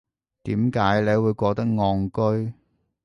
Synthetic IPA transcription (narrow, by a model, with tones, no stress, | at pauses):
t̪iː˨˥mkaː˨˥jle˨˧jwuː˨˧jkʷɔː˧k̚t̪ɐ˥k̚ŋɔː˧ŋkɵ˥ɥ